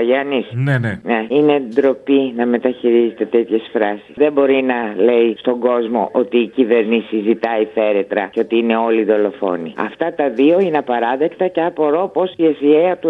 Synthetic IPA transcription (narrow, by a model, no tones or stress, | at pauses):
ɐʝɐnisneneneinend̪ɾo̞pinɐme̞t̪ɐçiɾize̞t̪e̞t̪e̞t̪çe̞sfɾɐsi̥sðe̞bo̞ɾinɐle̞ist̪o̞ŋɡo̞zmo̞̰ʔot̪iːcive̞ɾnisizit̪ɐiθe̞ɾe̞t̪ɾɐceo̞t̪iine̞o̞liðo̞lo̞fo̞̰nḭɐ̰ft̪ɐt̪ɐðio̞ineɐpɐɾɐðe̞kt̪ɐceɐpoɾo̞po̞siesieɐt̪u